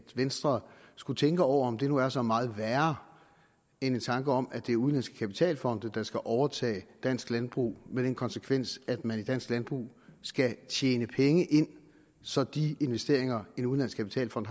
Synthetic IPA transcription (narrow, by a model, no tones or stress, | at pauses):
ʋensd̥ʁɐsɡ̥ut͡sʰeŋɡ̥əɒʊ̰ɐɒ̽md̥e̝nuæɐsɒ̽mɑ̈ːð̞̩ˠʋæɐ | e̝ne̝nt͡sʰɑ̈ŋɡ̥əɒ̽mæd̥e̝ːɐuðˠlæn̰sɡ̥̚kʰæpi̥t͡sʰɛ̰ːlfɒ̽n̰d̥d̥ɑ̈sɡ̥æʔɒʊɐt͡sʰɛ̰ːɪd̥æn̰sɡ̥lænb̥ʁṵːmed̥enkʰɒ̽nsəkʰʋen̰sæd̥mænid̥æn̰sɡ̥lænb̥ʁṵːsɡ̥æt͡sʰjeːnəpʰeŋəʔe̝n̰ | sɒ̽d̥ie̝nʋesd̥e̝ɐ̰e̝ŋɐe̝nuð̩ˠlæn̰sɡ̥kʰæpʰi̥t͡sʰɛ̰ːlfɒ̽n̰d̥